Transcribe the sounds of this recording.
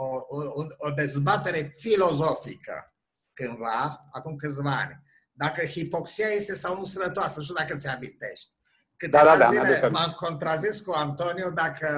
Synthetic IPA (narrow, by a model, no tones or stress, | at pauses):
ouunod̪e̞zbat̪e̞ɾe̞filo̞zo̞fḭkʰə̰ | kɨnvaakumkɨt̪s̬ʲvaa̰nʲ | d̪akəhipo̞ksiaje̞st̪e̞sawnusənət̪oasənuʃud̪akət̪seabit̪e̞̰ʃt̪̚ʲ | kɨt̪evaaazilemamko̞nt̪ɾaziskuant̪o̞niud̪akʰə